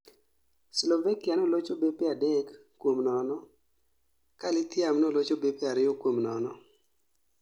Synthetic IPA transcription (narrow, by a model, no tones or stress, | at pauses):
slɔvakianɔlot͡ʃobepeadekː | womnɔnɔ | kalɪt̪ɪamnolot͡ʃobepeaɾɪokwomnɔnɔ